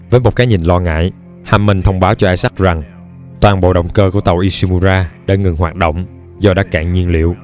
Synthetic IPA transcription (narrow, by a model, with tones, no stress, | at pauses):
vəː˨˦jmo˨˩t̚kaː˨˦ɲi˨˩n̟lɔ˧ŋa̰ː˧˨j | haː˧mːə˨˩ŋt̪ʰə˧wŋ͡mɓaː˨˦wt͡ɕɔ˧ʔaː˧jsa˦˥k̚za˨˩ŋ | t̪waː˨˩nɓo̰˧˨ɗə̰˧˨wŋ͡mkəː˧ku˧˩ət̪ə˨˩wʔi˧si˧mu˧zaː˧ɗa̰ː˧˥ŋɨ˨˩ŋɦwaː˨˩t̚ɗo̰˧˨wŋ͡m | zɔ˧˩ɗaː˦˥t̚kaː˧˨ŋɲi˧ənlḭ˧˨əw